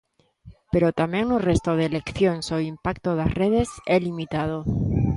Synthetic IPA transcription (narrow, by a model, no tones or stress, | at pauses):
pe̞ɾot̪amjeŋnorest̪oð̞elekθjonsoimpakt̪oð̞asreð̞e̞selimit̪að̞o